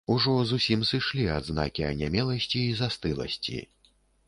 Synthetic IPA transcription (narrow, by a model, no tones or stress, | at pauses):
uʐɔzusʲimsɨʂlʲia̰d̪zna̰kʲiɐ̰nʲamʲɛlˠɐsʲt͡sʲiːzast̪ɨlˠɐ̰sʲt͡sʲḭ